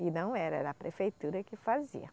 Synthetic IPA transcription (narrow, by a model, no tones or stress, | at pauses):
ɪnɐ̃w̃ɛɾɐ̰d̪ɐpɾʔefejt̪uɾɐkɪfazḭɐ̰